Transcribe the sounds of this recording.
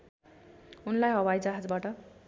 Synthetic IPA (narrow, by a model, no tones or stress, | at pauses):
unlajɦʌwajd͡zaɦad͡zbaʈʌ